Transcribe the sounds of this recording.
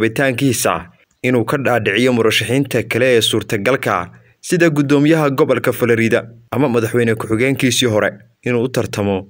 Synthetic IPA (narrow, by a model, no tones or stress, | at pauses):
βɪt̪ʰaːŋkʰiːsɐ̰ | ʔɪnuːkʰɐɖaːɖɪʕɪjɔmʊɾɐʃɪħiːnt̪ʰɐkʰɐlɛɛːsuːrt̪ʰɐɡɐlkʰɐ̰ | sɪðɐɡʊd̪ɔːmɪjɐɦɐɡɔβɐlkʰɐfɐlɐɾɪðɐʔɐmɐmɐðɐħwɛjnɛkʰʊħɪɣɛːŋkʰiːsiːɦɔɾɛ̰ | ɪnuːʊt̪ʰɐrt̪ʰɐmɔ